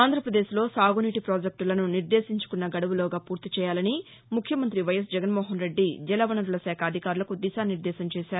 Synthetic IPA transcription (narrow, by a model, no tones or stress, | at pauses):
aːnd̪ʱɾɐpɾɐd̪e̞ːʃlo̞ːsaːɡuniʈipɾaːd͡ʒek̚ʈlɐnuniɾd̪eːsiɲt͡ʃu̥kunːɐɡɐɽɐʋuloːɡaːpuːɾt̪it͡ʃɛːjaːlɐni | mukʰjɐmɐnt̪ɾiʋɐjɐsd͡ʒɛɡɐnmɔːɦɐnɾe̞ɖːid͡ʒɛlɐʋɐnɐɾulɐsɛːkʰɐːd̪ʱikaːɾulɐkud̪iʃaːniɾd̪ɛːsɐmt͡ʃɛːʃaːɾu